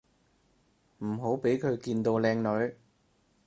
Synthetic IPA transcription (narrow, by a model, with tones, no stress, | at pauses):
m̩˨˩ɦo˨˥wpe˨˥jkʰɵ˨˧ɥkiː˧nt̪o˧wlɛː˧ŋlɵ˨˧ɥ